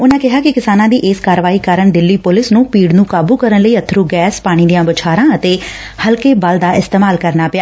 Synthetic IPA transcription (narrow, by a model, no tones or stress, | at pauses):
ʊnãːkɪɦaːkɪkɪsaːnãːd̪iːʔeːskaːɾəʋaːiːkaːɾəɳɖ̪ɪlːiːpʊlɪsnũːpiːɖnũːkaːbuːkəɾənləiːət̪ʰːɾuːɡɛːspaːɽ̃iːd̪ijãːbət͡ʃʰaːɾãːət̪eː | həlkeːbald̪aːʔɪst̪eːmaːlkəɾnaːpɪjaː